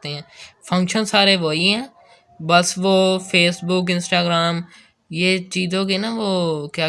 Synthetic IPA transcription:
t̪eɦɛ̃ːpʰə̃ŋkʃənsaːɾeːʋoːiɦɛ̃ː | bəsʋoːpʰeːsbʊkɪ̃nsʈaːɡɾaːm | jeːt͡ʃiːzõːkiːnaːʋoːkjaː

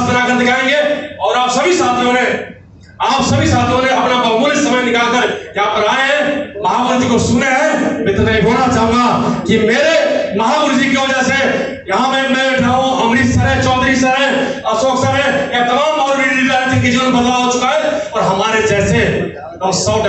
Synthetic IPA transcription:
spəɾakəɾt̪ekaɦẽŋɡeɔːɾaːpsəbʱisat̪ʰɦõɾẽ | aːpsəbʱisat̪ʰɦõɾẽəpnabəmulesəməjnɪkakəɾkiaːp̚əɾaeɦɛ̃məɦaʋəɾd͡ʒikosuneɦɛmet̪naiboɾat͡ʃaɦũŋɡakimeɾeməɦabəɾd͡ʒikeʋəd͡ʒase | jɐɦãmemeʈʰaɦũəmɾissəɾẽt͡ʃɔːd̪ɾisəɾẽ | əsoksəɾẽet̪əmamɔʊɾɾiɽiɾaɾet̪ʰikid͡ʒiənbət̪laɦot͡ʃukaɦeɔːɾɦəmaɾed͡ʒɛse | ɔmsəbn

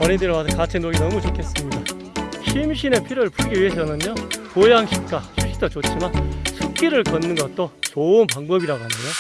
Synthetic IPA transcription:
ʌɾindɯɾwasʰʌkat͡ɕʰenoɡinʌmut͡ɕokʰe̞s͈ɯmɲida | ɕʰimɕʰine̞pʰiɾɯɭpuɭɡiɥiɦesʰʌnɯɲokojaŋɕʰit̚k͈aɕʰimɕʰi̥tʰʌt͡ɕot͡ɕ͈imansʰuk̚k͈iɾɯɭkʌnːɯnɡʌt̚t͈ot͡ɕoɯnpaŋbʌbiɾaɡoɦanejo

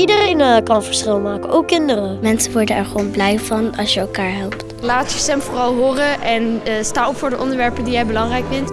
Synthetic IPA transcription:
idəreːnkɑnənfəɹsχɪlˠmaːkəʔoːkkːɪndərəmɛnsəʋɔɹdənɛɹχəʋownblɛjvɑnɑsjəɛlˠkaːɹɦɛlˠpt | laːtjəsɛmfoːrɑlˠɦʊːrəʔɛnstaːɔpfʊːɹdəʔɔndəɹʋɛɹpədijɛjbəlɑŋrɛjkfɪnt

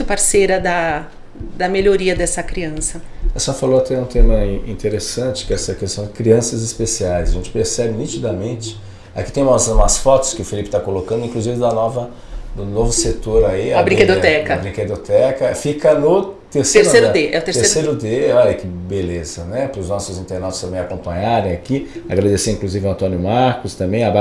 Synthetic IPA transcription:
ʊpaɾseɾɐd̪ɐ | d̪ɐmeʎoɾiɐd̪ɛsɐkɾiɐ̃sɐɛsɐfaloat̪ɛũt̪ẽmɐ̃ĩt̪eɾesɐ̃t͡ʃɪ̥kɪɛsɐkest̪ɐ̃w̃d͡ʒɪkɾiɐ̃sɐzɪspesiajzɐʒẽnt͡ʃɪ̥peɾsɛbɪnit͡ʃid̪ɐmẽnt͡ʃɪ̥ | akit̪ẽũmɐsũmɐsfɔt̪ʊ̥skɪʊfilipɪ̥t̪akolokɐ̃nd̪ʊĩkluzivɪd̪ɐnɔvɐ | d̪ʊnovʊset̪oɾaiabɾĩked̪ot̪ɛkɐbɾĩked̪ot̪ɛkɐfikɐnʊt̪eɾseeɾsejɾʊd̪eɛ̰ʊt̪est̪eɾsejɾʊd̪eɔʎɐkɪbelezɐnɛpɾʊznɔsʊzĩnt̪eɾnawt̪t͡ʃʊ̥ɪst̪ɐ̃mbẽj̃akõpɐ̃ɲaɾẽj̃akiaɡɾad̪eseĩkluzivɪɐ̃nt̪õnjʊmaɾkʊst̪ɐ̃mbẽj̃aba

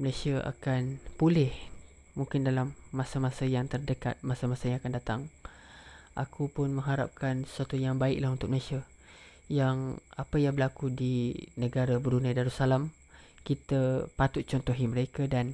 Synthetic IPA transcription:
məlajsiaʔa̰kanpulɪh | muŋkɪndalamːasamasəjaŋt̪ərdəka̰t̪̚masamasəjaŋakandat̪aŋ | ʔakʰupʊnmə̃ŋɦaɾa̰p̚kansə̥suat̪ujaŋbaɪklahɦunt̪ʊk̚məlasia | jaŋapəjaŋbəlakudinəɡaɾabəɾunadaɾusalam | kit̪apat̪ʊt̪̚t͡ʃɔnt̪ɔɦiməɾekadan

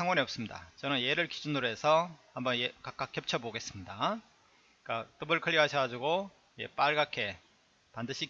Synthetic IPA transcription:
aŋwʌneʌp̚s͈ɯmɲida̰t͡ɕʌnɯnje̞ɾɯɭkid͡ʑunuɾe̞sʰʌhambʌnjekak͈ak͈ʰːjʌp̚t͡ɕʰʌboɡe̞s͈ɯmɲida | k͈at͈ɯbɯɭkʰɯʎːiɦaɕʰʌɡad͡ʑuɡo | jḛp͈aɭɡakʰe̞ | pandɯɕʰi

